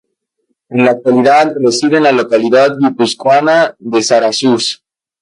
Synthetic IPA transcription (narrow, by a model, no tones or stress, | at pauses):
enlaːk̚t̪waliðaðresiðenlalokaliðaðɡipuskwanaðesaɾasus